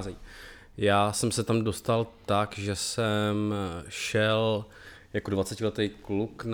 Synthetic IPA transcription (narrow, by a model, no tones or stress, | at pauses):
zɛ | jaːsɛmsɛt̪amdo̞st̪alt̪akʒɛsɛmʃɛl | jakodvat͡sɛcɪlɛt̪ɛjklukn